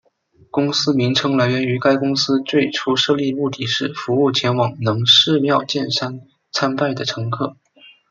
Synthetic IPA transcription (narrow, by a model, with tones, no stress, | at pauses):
kʊ˥ŋsɹ̩˥mi˧˥ŋʈ͡ʂʰɤ˥ŋla˧˥ɪɥɛ˧˥ny˧˥ka˥ɪkʊ˥ŋsɹ̩˥t͡swe˥˩ɪʈ͡ʂʰu˥ʂɤ˥˧li˥˧mu˥˧t̪i˥˧ʂɻ̩˥˩fu˧˥u˥˩t͡ɕʰjɛ˧˥nwɑ˨˩ŋnɤ˧˥ŋʂɻ̩˥˧mjɑ˥˧ʊt͡ɕjɛ˥˩nsa˥n | t͡sʰa˥npa˥˩ɪd̪ə˩ʈ͡ʂʰɤ˧˥ŋkʰɤ˥˩